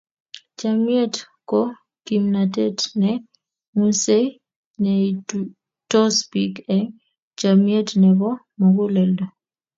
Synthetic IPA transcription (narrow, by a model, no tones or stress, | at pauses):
t͡ʃamjet | kɔ | kimnatetnɛ | muse | nɛi | tɔspikɛŋ | t͡ʃamjetnɛbɔ | maɡʊlɛldɔ